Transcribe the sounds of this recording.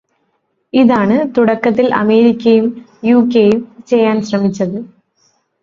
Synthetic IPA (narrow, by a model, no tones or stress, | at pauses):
iðaːɳɨt̪uɽɐkːɐt̪̬ːilʔɐ̰me̞ːɾikʲːɐjum | juːkːejumt͡ɕe̞jːaːnɕrɐmit͡ɕːɐðɨ